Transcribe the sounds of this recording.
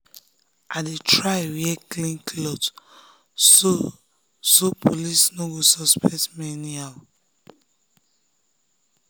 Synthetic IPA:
adetɹajwjɛklĩnkʰlɔt | o | sopʰolisnoɡosɔspɛtmɛnia

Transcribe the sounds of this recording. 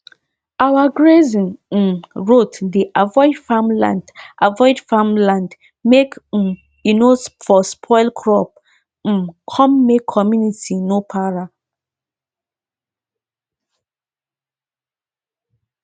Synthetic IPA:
awaɡɹezĩn̩ | ɹotdiʔavɔɪdfamlã̰ndʔavɔɪdfamlãnd | mek̩ | inosfɔspʰɔɪlkʰɹɔp̩ | kʰɔ̃mːekʰːɔmjunitʰinopʰaɹa

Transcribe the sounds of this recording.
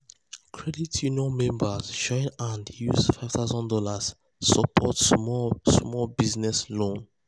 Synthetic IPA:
kʰɹɛditʰjuniɔ̃nmɛ̃mbasʃɔ̃ɪnãndjṵzfaɪv̥θaʊzɔ̃ndɔlas | sɔpʰɔtsmɔsmɔlbiznɛslõn

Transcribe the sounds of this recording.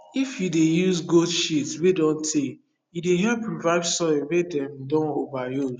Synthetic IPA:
ifjudejuzɡodʃitswedɔ̃ntʰek | judeɦɛlpɹuvaɪbsɔwedɛ̃mdɔ̃novajo

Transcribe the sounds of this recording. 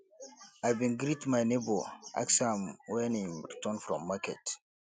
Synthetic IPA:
ajbĩnɡɾitmajneboa̰ksãmwɛnĩmɾitɔnfɾɔ̰̃mːakɛ̰t

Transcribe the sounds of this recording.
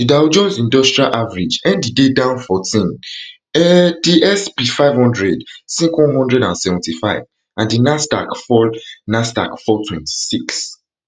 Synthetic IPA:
didawd͡ʒɔ̃nsĩndɔstɹialʔavaɹid͡ʒɛ̃nddidedãʊ̃nfɔtʰĩn | ɛdiʔɛspifaɪvhɔ̃ndɹɛdsĩkwɔ̃nɦɔ̃ndɹɛdãnsɛvɔ̃ntifaɪv | ãndinasta̰kfɔlnasta̰kfɔtʰwɛ̃nti̥siks

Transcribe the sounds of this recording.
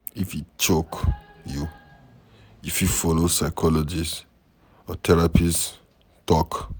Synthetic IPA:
ifit͡ʃokju | ifufɔlosaɪkʰɔlɔd͡ʒis | ɔtʰɛɹapis | tɔk

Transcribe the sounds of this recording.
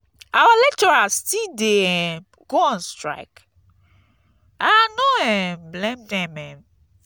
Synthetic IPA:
awalɛk̚t͡ʃɔɹastide | ɡ̥oɔ̃nstɹa̰ɪk | anoɛmblẽmdɛ̃mɛm

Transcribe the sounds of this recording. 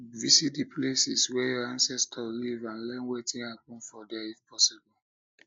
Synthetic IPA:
visit̚dipʰlesiswɛjɔãnsɛstʰɔlivãnlɛ̃nwetĩnhapɔ̃nfɔdɛifpʰɔsibɔl

